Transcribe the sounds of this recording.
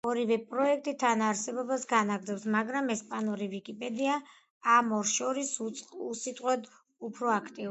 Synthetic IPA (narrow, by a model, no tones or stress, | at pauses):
ɔɾivɛpʼɾɔɛk̚ʰt̪ʼit̪ʰanaɾsɛbɔbasɡanaɡɾd̪zɛpsmaɡɾamɛspʼanɔɾivikʼipʼɛd̪iaː | mɔɾsʃɔɾisusit̪ʼqʼwɛd̪ | upʰɾɔakʰt̪ʼiu